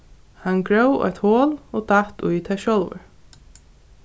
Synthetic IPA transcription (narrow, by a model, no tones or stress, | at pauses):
hanɡɹœwɔ̰jt̪hoːlɔːt̪aht̪ṵjt̪ʰaʃɔlvʏ̰ɹ